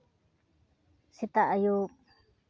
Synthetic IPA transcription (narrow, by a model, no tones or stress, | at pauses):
sit̪aʔaju